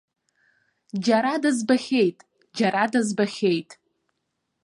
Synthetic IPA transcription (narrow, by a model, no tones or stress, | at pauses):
d͡ʒaɾadazbaχʲejtʼ | d͡ʒaɾadazbaχʲejtʼ